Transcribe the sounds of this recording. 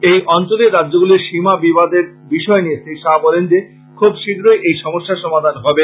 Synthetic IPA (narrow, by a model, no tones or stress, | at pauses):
ejʔɔnt͡ɕoleɾɾadːʑoɡuleɾʃimabibad̪eɾbiʃɔenijesʰejʃabɔlend͡ʑe | kʰubʃiɡɾojʔejʃɔmoʃːaʃɔmad̪ʱanɦɔbe